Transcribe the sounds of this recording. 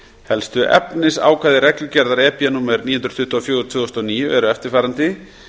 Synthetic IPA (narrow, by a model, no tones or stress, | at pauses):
hɛlst̪ʏʔɛ̰pnɪsa̰ːwkʰaːðɪɾɛklʏcɛɾðaɾɛːpjanuːmɛɾniːhnɾ̥t̪ʏht̪ɔːfjoːwʏt̪ʰvʏːwɔst̪ɔniːjʏɛɾʏɛft̪ɪɾ̥faːɾant̪ɪ